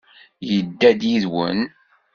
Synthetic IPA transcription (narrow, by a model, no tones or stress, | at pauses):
jəd̪ːæd̪jiðwə̰n